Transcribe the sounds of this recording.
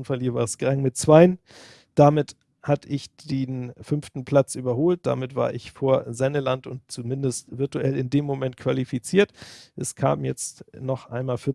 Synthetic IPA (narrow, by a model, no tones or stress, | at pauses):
nfaɐlhiːɐvaːsɡ̥ʁaŋmɪt̚t͡sv̥aɪən | d̥amɪt | hatəʔɪçd̥eːnfʏnftn̩pʰl̥at͡sʔyːbɐhoːlt̚d̥a̰mɪtv̥a̰ːɐʔɪçfoːɐzɛnəlantʊntt͡sumɪndəstv̥ɪɐtuʔɛlɪndeːmːomɛnt̚kʰv̥alifit͡siːɐtʔɛskʰa̰ːmjɛt͡stnɔχʔa̰ɪnmaːlfɪɐ